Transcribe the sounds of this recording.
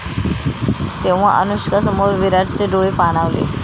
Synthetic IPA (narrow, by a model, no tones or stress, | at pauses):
t̪eʋ̤aʔə̰nuɕkasəmoɾʋiɾad͡zt͡seɖoɭepaɽ̃aʋlḛ